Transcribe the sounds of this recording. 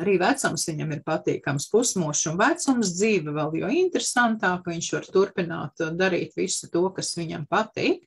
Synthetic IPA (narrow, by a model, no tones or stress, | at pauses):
aɾiːʋæt̪sumsʋiɲamiɾpat̪ḭːkamspusmuɔʃunvæt̪sumsd̪ziːʋvɛlˠjṵint̪ɾesant̪aːkviɲʃʋaɾt̪uɾpina̰ːt̪d̪aɾḭːt̪ʋisu̥t̪uɔkasʋiɲampat̪iːk